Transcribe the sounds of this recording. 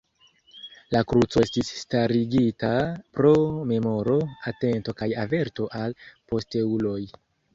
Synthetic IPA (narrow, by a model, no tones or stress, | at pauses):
lakɾut͡so̞e̞stisːtaɾiɡitapɾo̞me̞mo̞ɾo̞ate̞nto̞kajave̞ɾto̞ʔalpo̞ste̞ulo̞j